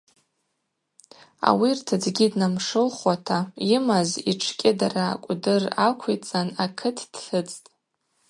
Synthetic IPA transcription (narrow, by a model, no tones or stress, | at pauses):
a̰wirtʰad͡zɡʲidnamʂɨlχwatʰaimaziʈ͡ʂʰkʲʼɪdara̰kʷʼdɨrakʷʰet͡sʼanakʰɨtʰd̥ɬɨt͡sʼtʼ